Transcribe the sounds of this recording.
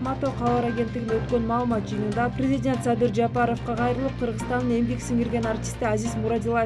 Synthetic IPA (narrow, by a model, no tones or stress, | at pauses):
mat̪o̞qʰɑlˠɑɾaɡʲe̞nt̪ːɪɡʲɪnwɵt̪kʲe̞nmɑːlˠəmɑt̪̚ʒɯjənənd̪ɑprʲe̞zidʲe̞nt̪sɑd̪ɪɾd͡ʒɑpɑɾo̞fqɑqʰɑjɾəlˠəp̚qʰəɾʁəst̪ɑnːəne̞mbeksɪŋeɾɡʲe̞nart̪ʲi̥st̪ɪæzɪzmuɾɑd̪ilˠa